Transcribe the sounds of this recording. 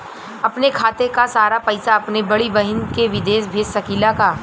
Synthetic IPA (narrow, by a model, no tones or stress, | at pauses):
ɐpnekʰaːt̪ekasaːɾapɐɪsaɐpnebɐɽibɐɦɪnkeʋɪd̪eːʃbʱeːssɐkiːlakaː